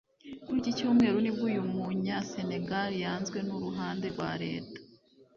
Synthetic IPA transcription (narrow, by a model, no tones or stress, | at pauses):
kuɾɟicoːmŋe̞ːɾonibɡujumuɲase̞ne̞ɡaɾjaːnzɡwe̞nuɾuɦaːnde̞ɾɡwa̰ːɾe̞̰ːtḁ